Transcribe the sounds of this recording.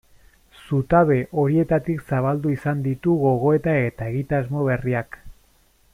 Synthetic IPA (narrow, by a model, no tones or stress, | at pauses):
sut̪aβe̞ʔo̞ɾie̞t̪at̪iksaβ̞ald̪uisand̪it̪uɣo̞ɣ̞o̞e̞t̪aet̪ae̞ɣit̪azmo̞β̞e̞riak